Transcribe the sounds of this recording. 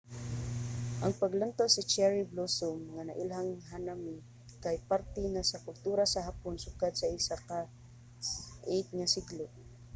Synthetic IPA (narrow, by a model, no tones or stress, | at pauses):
ʔaŋpaɡlant̪awsɪt͡ʃɛɹiblosʊmŋana̰ʔɪlɦaŋɦanami | kajpaɾt̪ɛnasakʊlt̪uːɾasaɦapʊnsʊkad̪̚saʔɪsaka | ʔejt̪̚ŋasɪɡlʊ